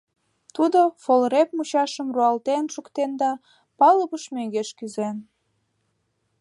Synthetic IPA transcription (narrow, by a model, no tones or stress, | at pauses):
t̪ud̪ofolɾep̚mut͡ɕɑʃəmruɑlt̪enʃukt̪end̪ɑ | pɑləβəʃmøŋɡeʃkyzen